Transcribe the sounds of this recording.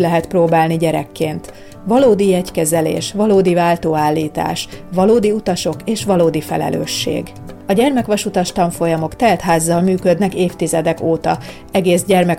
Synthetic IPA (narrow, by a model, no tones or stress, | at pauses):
lɛɦɛt̪proːbaːlniɟɛɾɛ̰kːeːnt̪ | ʋɒloːd̪iɛckɛzɛlḛːʃʋɒloːd̪ivaːlt̪oːaːlːiːt̪a̰ːʃʋɒloːd̪iut̪ɒʃo̞keːʃʋɒloːd̪ifɛ̰lɛ̰lø̰ːʃːḛːɡ | ɒɟɛrmɛkʋɒʃut̪ɒʃt̪ɒɱfo̞jɒmo̞kt̪ɛlt̪ɦaːzːɒlmyːkød̪nɛkeːft̪izɛd̪ɛkoːt̪ɒ | ɛɡeːzɟɛrmɛk